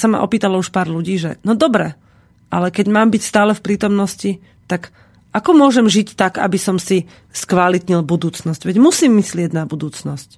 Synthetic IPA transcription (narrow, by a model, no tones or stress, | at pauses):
sama̰ʔɔ̰piːt̪alɔuʃpaːɾluɟiːʒɛ̰nɔd̪ɔbɾɛ | ʔalɛkɛɟmaːmbicst̪aːlɛfpɾiːt̪ɔmnɔsci | t̪ak | ʔakɔmʊɔʒɛmʒict̪aɡa̰bisɔmsi | skʋalit̪ɲilbud̪uːt͡snɔsɟʋɛɟmusiːmːislɪɛɟnabud̪uːt͡snɔsc